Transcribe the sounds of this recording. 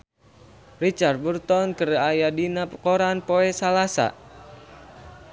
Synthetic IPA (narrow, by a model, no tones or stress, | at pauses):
rit͡ʃart̪̚bərt̪ɔnkərajadinakɔɾanpoɛsalasa̰